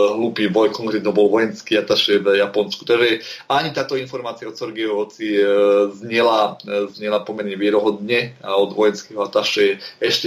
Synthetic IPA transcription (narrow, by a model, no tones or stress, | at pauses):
ɦluːpiːʋɔjkɔŋkɾɛːt̪ɔbɔlʋɔjɛnskiat̪aʃɛvjapɔnskut̪aɡʒɛaɲit̪aːt̪ɔinfɔɾmaːt͡siaɔsɔɾɡɛɔɦɔt͡sizɲɪɛlazɲɛlapɔmɛɾɲɛʋɪɛɾɔɦɔd̪ɲɛaɔd̪ʋɔjɛnskɛɦɔat̪aʃɛɛʃcɛ